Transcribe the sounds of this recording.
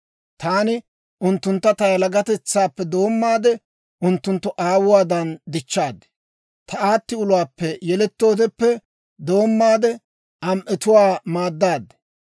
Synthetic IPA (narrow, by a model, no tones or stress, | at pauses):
t̪aːnɪ | ʔʊnt̪ːʊnt̪ːɐt̪ɐjɐlɐɡɐt̪ɛt͡sːaːpːɛd̪o̞ːmːaːd̪ɛ | ʔʊnt̪ːʊnt̪ːɔʔaːwʊwaːd̪ɐnd̪ɪt͡ʃːaːd̪ɛ | t̪ɐaːt̪ːɪʊlʊwaːpːɛjɛlɛt̪ːo̞ːd̪ɛpːɛ | d̪o̞ːmːaːd̪ɛ | ʔɐmʔɛt̪ʊwaːmaːd̪ːaːd̪ɛ̥